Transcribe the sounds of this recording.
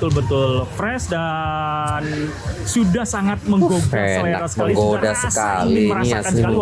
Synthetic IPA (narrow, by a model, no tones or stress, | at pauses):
t̪ʊlbət̪ʊlfɾɛsda | n | sudahsaŋat̪̚məŋɡoɡaeslenaɾasə̥məaliɡodasəkalɪiməɾaasa